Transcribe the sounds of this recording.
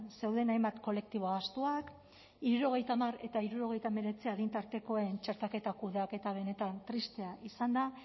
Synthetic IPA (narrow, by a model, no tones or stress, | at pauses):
se̞wðe̞najmbat̪ko̞le̞k̚t̪iβoaast̪uak | iɾuɾo̞ɣ̞e̞jt̪aːmare̞t̪aiɾuɾo̞ɣ̞e̞jt̪ame̞ɾe̞t͡siaðint̪aɾt̪e̞ko̞e̞nt͡ʃe̞ɾt̪ake̞t̪akuð̞eake̞t̪aβ̞e̞ne̞t̪ant̪ɾist̪e̞aʔisand̪a